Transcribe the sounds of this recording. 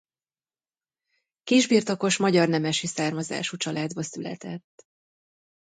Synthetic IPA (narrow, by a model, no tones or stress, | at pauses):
kiʒbiːrt̪o̞ko̞ʃmɒɟɒrnɛmɛʃisaːrmɒza̰ːʃut͡ʃɒlʔaːd̪bɒsylɛ̰t̪ɛt̪ː